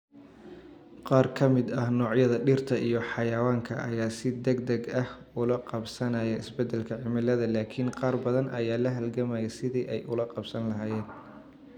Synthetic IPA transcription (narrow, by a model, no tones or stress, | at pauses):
qɑːrkʰɐmɪd̪ɐhnɔːʕjɐðɐɖɪrt̪ʰɐʔijɞħɑjɐwaːŋkʰɐ̰ʔɐ̰jaːsɪd̪ɛɡd̪ɐɡɐh | ʊlɐqɑbsɐnɐjɛɪsbɛd̪ɛlkʰɐʕɪmɪlɐðɐlaːkʰɪnqɑːrbɐðɐnʔɐjaːlɐɦɐlɡɐmajɛsɪðiːʔɛjʔʊlɐqɑbsɐnlɐɦaːjɛːn